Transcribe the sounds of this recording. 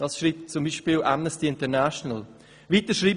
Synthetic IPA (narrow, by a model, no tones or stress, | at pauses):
d̥ɑsʃriːp̚tt͡sʊmbiːʃpiːlʔamnəstiɪntənaʃɔnəl | viːtəʃɾiːb